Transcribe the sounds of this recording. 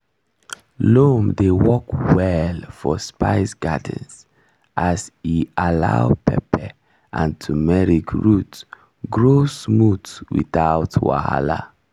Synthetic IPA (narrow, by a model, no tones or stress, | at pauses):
lomdewɔkwɛlfɔspaɪsɡad̃ns | ʔasialaʊpʰɛ̰pʰɛ | ʔãntʰumɛɹikɹut | ɡɹosmutwḭθaʊtwa̰ha̰la̰